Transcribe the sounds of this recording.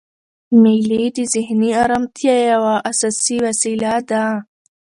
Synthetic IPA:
milid̪iziɦniaɾɐmt̪ʰjajawaʔɐsasiwɐsilad̪a

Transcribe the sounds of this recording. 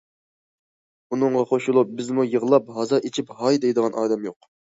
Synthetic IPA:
unɨŋʁɑχoʃulˠup̚bɪzmujəʁəlˠɑpɦɑzɑʔet͡ʃʰipɦɑjd̪ejd̪əʁɑnʔɑːd̪ɛmjoq̚

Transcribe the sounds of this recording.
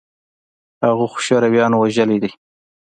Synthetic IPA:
haɣuxʊ̥ʃaɾawjɑnwaʒəlid̪i

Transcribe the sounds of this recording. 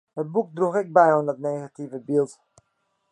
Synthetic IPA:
hət̚buk̚druxɪk̚bɛjɔndɔtneːɣativəbilˠt

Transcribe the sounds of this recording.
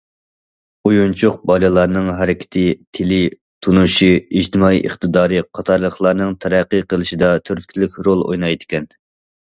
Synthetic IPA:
ujunt͡ʃʰʊqbɑlɨlˠɑɾnɨŋɦæɾɪkʲʰɪ̥t̪ʰɪt̪ʰɪlɪ | t̪ʰunuʃiid͡ʒt̪ʰɨmɑḭʔə̰χt̪ɨd̪ɑːɾɨqʰɑt̪ʰɑɾlˠəχlˠɑɾnɨŋt̪ʰɛɾæqːəqʰəlˠɨʃid̪ɑt̪ʰøɾt̪̚kʲʰilykʲɾolˠo̰jnɑjd̪ɪkʲʰɛn

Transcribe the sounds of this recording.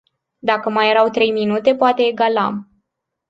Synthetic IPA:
d̪akəmaje̞ɾawt̪ɾe̞jminut̪e̞poat̪e̞ːɡala̰m

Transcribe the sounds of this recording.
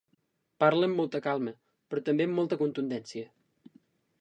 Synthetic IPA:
parləəmːɔlˠt̪əkalˠmə | pɾɔt̪əmbeəmːɔlˠt̪əkunt̪und̪ɛnsiə

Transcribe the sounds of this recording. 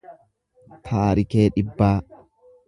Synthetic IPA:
t̪ʰaːɾɪke̞ːᶑɪbːaː

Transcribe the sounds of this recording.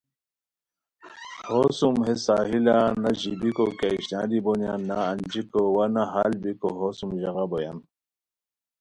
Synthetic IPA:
hosumɦesaːɦilanaʑibikokaiɕnaːd̪ibonjanːaːnd͡ʑikowanaɦalbikoɦosumʑɐɣaboja̰n

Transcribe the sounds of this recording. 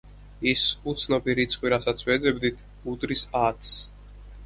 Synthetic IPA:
isut̪sʰnɔpiɾit̪sʰʼqʼwiɾasat̪sʰwɛd̪zɛbd̪it̪ʰ | ud̪ɾisat̪s

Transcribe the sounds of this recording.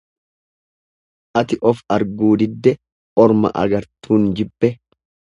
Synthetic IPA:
ʔɐt̪ɪʔɔfɐɾɡuːd̪ɪd̪ːɛ | ʔɔɾmɐ̰ʔɐ̰ɡɐɾt̪ʰuːnd͡ʒɪbːɛ

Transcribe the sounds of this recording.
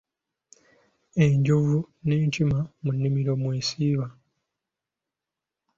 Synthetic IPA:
eɲɟuvuneːntimamunːimiɾo̞mweːsiːβa

